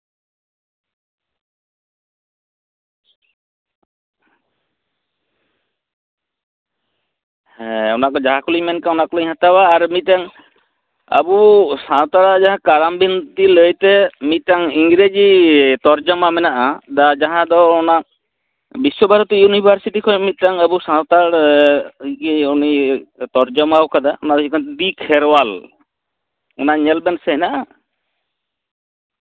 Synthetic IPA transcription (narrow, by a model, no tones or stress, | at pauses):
hɛɔnakɔd͡ʒaɦakuliɲmɛnkaɔnakɔlɔjɦãt̪awaːɾmit̪aŋ | a̰busãt̪aɾad͡ʒaɦãkaɾambint̪iləjt̪ɛmit̪aŋiŋɡɾed͡ʒit̪ɔɾd͡ʒɔmamɛnaʔad̪ad͡ʒaɦãd̪ɔɔna | biswɔbʱaɾɔt̪ɔjunibʱaɾsiʈikʰɔɲmit̪̚taŋabusãt̪aɽ | kiunit̪ɔɾd͡ʒɔmawkad̪aɔnabisikʰɔnt̪d̪ikʰɛɾwal | ɔnaɲɛlbɛnsɛɦɛnaʔa